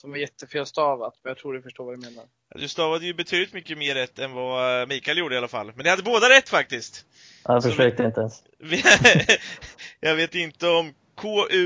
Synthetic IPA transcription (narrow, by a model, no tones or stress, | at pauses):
d̪ɔmæɾjɛt̪ːəfeːlst̪ɑːvat̪mɛnjɑt̪ʰɾuːɖɪfœʂʈoːɾvad̪ɵmeːnaɾ | jɑ̰d̪ʉst̪ɑːvad̪əjɵbɛt̪ʰyːd̪lɪt̪mʏkːəmeːɾːɛt̪ːɛnvamiːkʰaɪljuːɖəɪalafa̰lːmɛnɪhad̪ːəboːd̪aɾɛt̪ːfak̚t̪ɪst̪ | afœʂøːk̚t̪əɪnt̪əɛns | v | jɑːɡveːt̪ɪnt̪əɔm | kʰoːʔʉ̟